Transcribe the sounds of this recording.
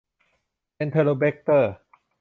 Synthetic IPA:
pe˧nt̪ʰəː˧lo˧be˦˥k̚t̪ɤː˥˩

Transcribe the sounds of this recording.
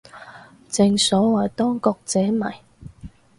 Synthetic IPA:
t͡sɪ˧ŋsɔː˨˥wɐː˨˩jt̪ɔː˥ŋkɔː˧k̚t͡sɛː˨˥mɐ̰˨˩j

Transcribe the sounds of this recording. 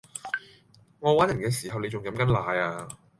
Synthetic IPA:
ŋɔː˨˧waː˨˥njɐ˨˩nkɛː˧siː˨˩ɦɐ˨wne˧jt͡ʃʊ˨ŋjɐ˨˥mkɐ˨˥nlaː˨˧jaː˧

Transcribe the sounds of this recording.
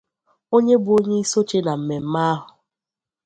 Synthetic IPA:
o˦ɲe˦bʊ˨o˦ɲe˦i˦so˦t͡ʃe˦na˨m̩˨me˨m̩˦ma˦a˦ɦʊ˨

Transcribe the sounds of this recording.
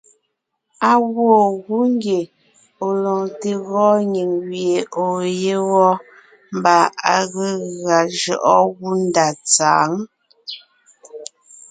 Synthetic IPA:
a˨ɣwo˦˨ɣu˦ŋ˦ɡje˨ | o˨lɔ˨ŋte˨ɣɔ˦ɲi˨ŋwje˨o˨je˦ɣɔ˦ | m˦ba˨a˨ɣe˦ɣa˨d͡ʒɔ˨ʔɔ˦ɣu˦n˦da˨t͡sa̰ː˨ŋ

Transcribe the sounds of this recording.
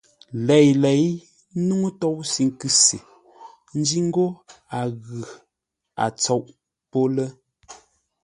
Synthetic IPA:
lɛ˨jlɛ˨˦j | nu˦ŋu˦tɔ˦˨wsi˨˦ŋ˦kʉ˦sḭ˨ | n̩˦d͡ʒi˦ŋ̩˦ɡo˦a˨ɣʉ˨ | a̰˨t͡sɔ˦ʔ | po˦lə˦

